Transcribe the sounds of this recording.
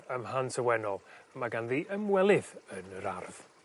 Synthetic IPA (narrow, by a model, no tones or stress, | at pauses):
əmhantʰəwɛnɔlˠmaɡanðiːʔəmwɛlˠɪðənəɾa̰rð̥